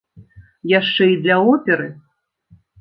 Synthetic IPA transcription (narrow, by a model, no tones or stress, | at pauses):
jaʂt͡ʂɛid̪lʲaɔpʲɛɾɨ